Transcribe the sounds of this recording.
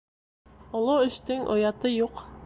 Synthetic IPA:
ŏlˠɤɘ̆ʃt̪ɘŋʔŏ̰jɑt̪ɤjuq

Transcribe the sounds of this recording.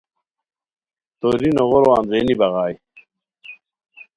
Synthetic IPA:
t̪oɾinoʁoɾwaːnzenibɐɣaːj

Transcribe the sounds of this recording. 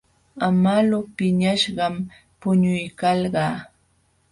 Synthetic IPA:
amalʊpɪɲaʃɢɑm | pʊɲʊjkɑlɢɑː

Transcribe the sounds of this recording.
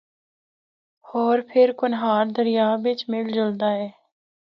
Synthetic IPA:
ɔːɾpʰɪɾkʊnɦaːɾd̪əɾɪjaːbɪt͡ʃmɪld͡ʒəld̪aːɦɛː

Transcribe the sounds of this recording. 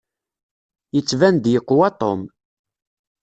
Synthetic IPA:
jət͡sːvænd̪jəqːwɑt̪ˤom

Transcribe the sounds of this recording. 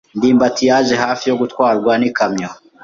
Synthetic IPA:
ndiːmbatijaːʒeɦaːfijo̞ɡutkwaːɾɡwanikamɲo

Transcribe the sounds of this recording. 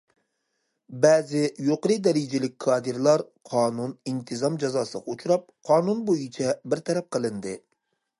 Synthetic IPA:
bɛːzɪjoqɾˠɨd̪ɛɾid͡ʒɪlɪk̚ʲkʰːɑːd̪ɨɾlˠɑɾ | qʰɑːnunint̪ʰɨzɑmd͡ʒɑzɑːsɨʁɑut͡ʃʰuɾɑp̚qʰɑːnunbojit͡ʃʰɛbɪɾt̪ʰɛɾɛp̚qʰəlˠɨnd̪ɨ

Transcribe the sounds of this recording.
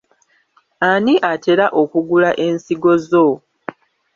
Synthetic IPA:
aniʔate̞ɾaʔo̞kuɡulaʔe̞ːnsiɡo̞zo̞

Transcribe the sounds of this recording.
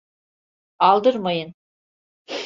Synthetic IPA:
ɑlˠd̪əɾməjən

